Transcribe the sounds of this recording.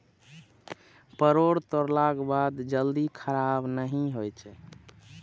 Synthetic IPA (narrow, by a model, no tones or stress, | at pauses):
pəɾoɽt̪oɾlaɡbad̪d͡ʒəld̪ikʰəɾabnəɦĩɦojt͡ʃʰɛ